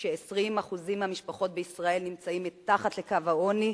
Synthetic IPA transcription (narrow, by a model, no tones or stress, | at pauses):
ʃeesʁimhaχuzimhamiʃpaχo̞t̪̚beisʁae̞lnimt͡saimit̪aχat̪lekavaoni